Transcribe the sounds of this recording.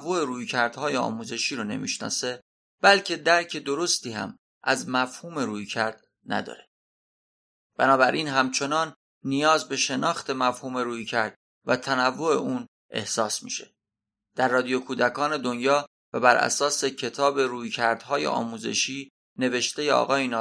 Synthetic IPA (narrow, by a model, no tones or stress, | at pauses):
vːo̞eɾuːjcʰæɾd̪̥hɒːjeɒ̰ːmuːze̞ʃiːɾone̞̰mḭʃnɒ̰ːse̞ | b̥ælcʰe̞d̪æɾcʰe̞d̪oɾo̞st̪iːhæ̰m | ʔæzmæfhuːme̞ɾuːjcʰæɾd̪̥ | næ̰d̪ɒ̰ːɾe̞ | b̥ænɒːbæɾʔiːnɦæmt͡ʃʰe̞nɒːnː | ijɒːzbe̞ʃe̞nɒːxt̪ʰe̞mæfhuːme̞ɾuːjcʰæɾd̪̥̚ | væt̪ʰænævːo̞e̞ʔuːn | ʔe̞̰hsɒːsmḭʃe̞̥ | d̪̥æɾːɒːd̪ijokʰuːd̪ækʰɒːne̞d̪onjɒː | væbæɾʔæ̰sɒːsecʰe̞t̪ʰɒːbe̞ɾuːjcʰæɾd̪̥hɒːjḛʔɒ̰ːmuːze̞̰ʃiː | ne̞ve̞ʃt̪e̞jeɒ̰ːɣɒːjinɒ